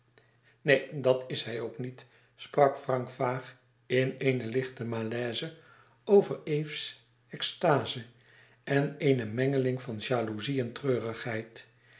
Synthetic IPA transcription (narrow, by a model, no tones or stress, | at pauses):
nejdɑtɪsɦɛjoʊknit | sprɑkfrɑŋkfaːχ | ɪnejnəlɪχtəmaːlɛːzə | owvərejfs | ɛkstaːzə | ʔɛneɪnəmɛŋəlɪŋvɑnʒaːluziɛntrøːrəχɦɛjt